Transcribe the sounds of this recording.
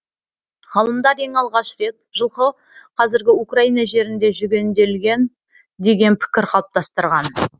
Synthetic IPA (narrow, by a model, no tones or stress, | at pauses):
ʁɑlˠəmd̪ɑɾe̞ŋɑlˠʁɑʃɾe̞t̪̚ʒəlˠqə | qʰɑzɪɾɡʲɪukraijnɑʒe̞ɾɪnd̪e̞ʒʏɡʲe̞nd̪e̞lɡʲe̞n | d̪e̞ɡʲe̞npʰɪ̥kʲɪɾqʰɑlˠəp̚t̪ɑst̪əɾʁɑn